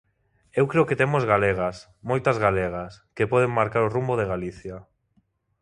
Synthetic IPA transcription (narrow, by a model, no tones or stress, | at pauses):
ewkɾeoket̪emozɣaleɣ̞as | mojt̪azɣaleɣ̞askepɔðeŋmaɾkaɾorumboðeɣaliθja